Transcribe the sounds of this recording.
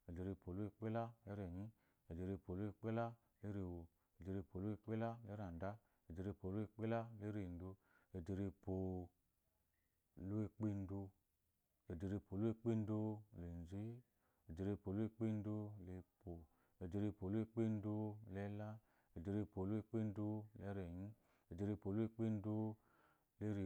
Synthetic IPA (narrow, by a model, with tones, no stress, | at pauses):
e˨de˧ɾe˧po˨lu˦e˧k͡pe˦la˦e˦ɾe˨ɲĩ˦ | e˨de˧ɾe˧po˨lu˦e˧k͡pe˦la˦ | le˦ɾe˧˨wo˧ | e˨de˧ɾe˧po˨lu˦e˧k͡pe˦la˦le˦ɾa˨n˨da˦ | e˨de˧ɾe˧po˨lu˦e˧k͡pe˦la˦le˦ɾe˧˨n˦do˧ | e˨de˧ɾe˧po˨ | lu˦e˧k͡pe˦˧n˦do˧ | e˨de˧ɾe˧po˨lu˦e˧k͡pe˦n˦do˧˨le˨n˨zi˦ | e˨de˧ɾe˧po˨lu˦e˧k͡pe˦n˦do˧le˧po˨ | e˨de˧ɾe˧po˨lu˦e˧k͡pe˦n˦du˧lɛ˧˦la˦ | e˨de˧ɾe˧po˨lu˦e˧k͡pe˦n˦du˧lɛ˧˦ɾe˨ɲi˦ | e˨de˧ɾe˧˨po˨lu˦e˧k͡pe˦n˦du˧ | le˦ɾe˨